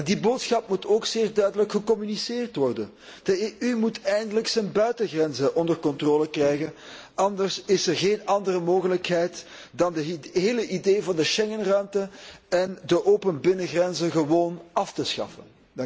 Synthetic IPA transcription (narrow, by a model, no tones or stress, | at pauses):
ɛndiboːtsxɑpmutoːkseːrdœɥdələkxəkɔmynisɪːrtʋɔrdən | d̥əeʔymutɛjndələksənbœɥtəɣrɛnzəʔɔndərkɔntroːləkrɛjɣənʔɑndərsɪsərɣeːnɑndərəmoːɣələkɦɛjt | dɑndəɦeːləʔideːvɑndəʃɛŋənrœɥmtəɛndəʔoːpənbɪnəɣrɛnzəɣəʋoːnɑftəsxɑ̰fən